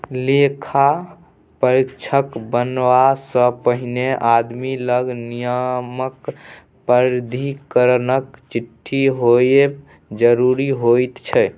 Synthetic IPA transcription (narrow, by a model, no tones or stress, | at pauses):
lekʰa | pəɾikt͡ʃʰəkbənʋasə̃pəɦineʔad̪miləɡnijəmək | pəɾd̪ʱikəɾənəkt͡ʃiʈʰːiɦoe | d͡ʒəɾuɾiɦojt̪t͡ʃʰɛ